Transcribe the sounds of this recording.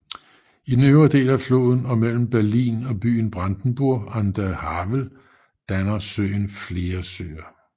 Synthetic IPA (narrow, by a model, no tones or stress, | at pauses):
id̥n̩øʊɐd̥e̝̰ːlæflo̝̰ːð̞ˠn̩ɒ̽mel̰m̩b̥æɐlḭːnɒ̽b̥y̰ːn̩b̥ʁand̥n̩b̥uɐ̰ɑnd̥æhɑʋl̩ | d̥ænɐsø̰ːɪnfle̝ːɐsø̰ːɐ